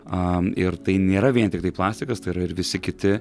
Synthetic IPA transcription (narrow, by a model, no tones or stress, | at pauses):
ɐɪɾt̪ɐɪnʲeːɾɐʋʲiɛnʲt̪ʲɪkt̪ɐɪplˠɑːsʲt̪ʲɪkɐst̪ɐɪiɾɐɪɾʋʲɪsʲɪkʲɪt̪ʲɪ